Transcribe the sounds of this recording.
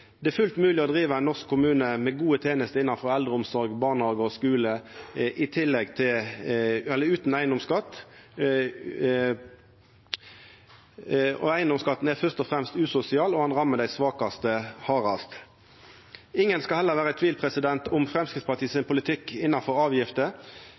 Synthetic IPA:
d̪̥ɛæfʉlt̪mʉːlɪɔd̪ʁiːʋəɛnɔʁskʰːʊmʉːnəmɛɡuːət̪ʰeːnəst̪əɪnːɑnfɔʁɛld̪ʁəʊmsɔʁɡbɑːʁnɑːɡəɔskʉːləʔɪt̪ʰɪlːɛɡt̪ʰɪl | ɛlːəʉːt̪n̩æɪənd̪ɔmskɑt̪ː | ɔ̰æɪənd̪ɔmskɑt̪ːn̩æfœst̪ɔfʁɛmst̪ʉːsʊsɪɑːlɔhɑnʁɑmːəd̪æɪsʋɑːkɑst̪əhɑːʁɑst̪ | ɪŋːənskɑlhɛlːəʁʋæːʁət̪ʰʋiːlpʰʁɛsɪd̪ɛnt̪ʊmfʁɛmskɪt̪spɑt̪ʰiːsɪnpʰʊlɪt̪ʰɪkːɪnːɑnfɔɾɑːʋjɪft̪ə

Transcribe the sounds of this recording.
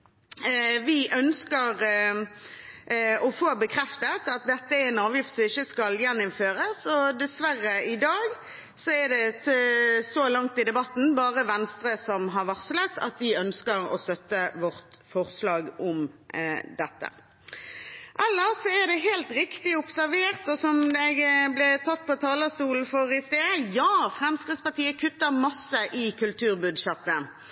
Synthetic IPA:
ʋɪʔœnskəʁ | ɔfoːbəkʰʁɛft̪ət̪ɑt̪̚d̪ɛt̪ːəɛnɑːʋjɪft̪sɔɪçːəskɑljɛnːʊmføːɾəsɔd̪ɛsʋærːəɪd̪ɑːɡ | sɔæd̪ɛ | sɔlɑŋt̪ɪd̪ɛbɑt̪ːn̩bɑːʁəʋɛnst̪ɾəsɔmɦɑʁʋɑʁsələt̪ʰɑ̰t̪d̪ɪœnskəɾɔ̰st̪œt̪ːəʋɔʁt̪fɔʁslɑːɡɔm | d̪ɛt̪ːə̰ | ʔɛlːəɾsɔæʁd̪ɛɦeːlt̪ʁɪkt̪ɪʊpsæʁʋeːʁt̪ɔsɔmɛɡblɛt̪ʰɑt̪̚ːpʰɔt̪ʰɑːləst̪uːln̩fɔɾɪst̪eːd̪əjɑːfʁɛmskɾɪt̪spɑʁt̪ʰiːəkʰʉt̪ːəɾmɑsːəʔɪkʰʉlt̪ʰʉːʁbʉd̪ʃɛt̪ːə

